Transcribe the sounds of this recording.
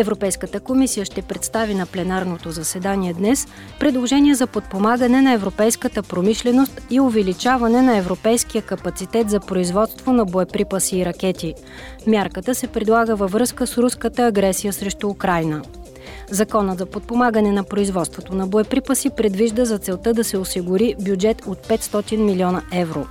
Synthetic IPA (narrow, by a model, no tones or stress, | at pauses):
ɛvɾopɛjskət̪əkomisijəʃt̪ɛpɾɛt̪st̪avinɐplɛnaɾnot̪ozɐsɛd̪aniɛd̪nɛs | pɾɛd̪lˠoʒɛniɛzɐpot̪̚pomaɡənɛnɐɛvɾopɛjskət̪əpɾomiʃlɛnost̪iovɛlit͡ʃavɐnɛnɐɛvɾopɛjsk̟ijəkɐpɐt̪sit̪ɛt̪zɐpɾoizvɔt̪st̪vonɐboɛpɾipəsiːɾɐkɛt̪i | mʲjaɾkət̪əsɛpɾɛd̪lˠaɡəvəvɾɤskəsɾuskət̪əːɡɾɛsijəsɾɛʃt̪uːkɾajnə | zɐkɔnət̪zɐpot̪̚pomaɡənɛnɐpɾoizvɔt̪st̪vot̪onɐboɛpɾipəsipɾɛd̪viʒd̪əzɐt̪sɛlˠt̪ɤd̪ɐsɛosiɡʊɾibjud͡ʒɛt̪ot̪̚pɛt̪st̪ɔt̪inmiliɔnɐʔɛvɾo